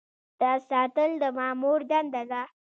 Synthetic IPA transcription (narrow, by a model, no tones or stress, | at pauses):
d̪̥ɑsɑt̪əld̪əmɑmuɾd̪and̪ad̪a